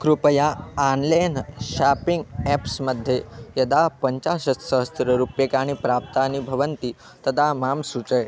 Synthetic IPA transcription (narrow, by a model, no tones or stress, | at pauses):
kɾupəjaːnlajnɕapiŋɡɛpsməd̪ʱːjejəd̪apəɲt͡ɕaɕəsəɦəst̪ɾəɾupjekaɽ̃ipɾap̚t̪anibʱəʋənt̪i | t̪əd̪amamsut͡səj